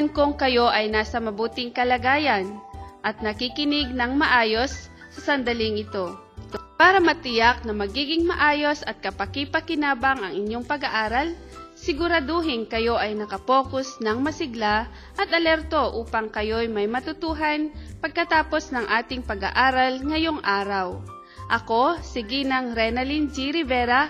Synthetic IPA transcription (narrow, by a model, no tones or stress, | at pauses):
ɐnkoŋkɐjo̞ʔɐjnaːsɐmɐbuːt̪ɪŋkɐlɐɡaːjɐnʔɐt̪̚nɐkɪkɪnɪɡ̚nɐŋmɐʔaːjo̞sː | ɐsɐnd̪ɐlɪŋʔɪt̪o̞ | paːɾɐmɐt̪ɪjak̚nɐmɐɡiːɡɪŋmɐʔaːjo̞sɐt̪̚kɐpɐkipɐkɪnaːbaŋɐŋɪɲjo̞ŋpɐɡɐʔaːɾɐl | sɪɡʊɾad̪oɦɪnkɐjo̞ʔɐjnɐkɐpo̞ːkʊsnɐŋmɐsɪɡla | ʔɐt̪ʔɐlɛɾt̪o̞ʔuːpɐŋkɐjojmɐjmɐt̪ʊt̪uːɦɐnpɐɡ̚kɐt̪aːpo̞snɐŋʔaːt̪ɪŋpɐɡɐ̰ʔaːɾɐlŋɐjo̞ŋʔaːɾɐw | ʔɐko̞sɪɡinɐŋɾɛnɐlind͡ʒiɾɪvɛɾa